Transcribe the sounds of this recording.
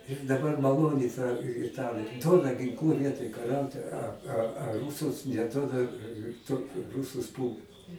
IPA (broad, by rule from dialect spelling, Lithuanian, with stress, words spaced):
ɪr dɐˈbɐr mɐˈlˠoːnʲɪ tɐ ɪˈtɑːlʲeː ˈduɔdɐ ɡʲɪŋˈklˠuː ˈʋʲiɛtoːj kɐˈrʲɛʊtʲɪ ɐ ɐ ɐ ˈruːsʊs nʲɛˈduɔdɐ ˈtuɔt ˈrʊsʊs ˈpuːlˠt